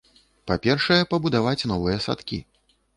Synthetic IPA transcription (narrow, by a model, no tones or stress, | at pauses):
papʲɛrʂɐjɛpɐbud̪avat͡sʲnɔvɨjɛsa̰t̪kʲḭ